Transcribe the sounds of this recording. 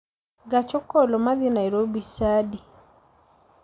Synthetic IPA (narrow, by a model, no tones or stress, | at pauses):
ɡat͡ʃɔkɔlɔmaðinaɾobisadi